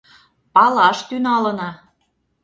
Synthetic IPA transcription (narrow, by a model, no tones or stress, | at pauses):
pɑlɑʃt̪ynɑlɤ̆nɑ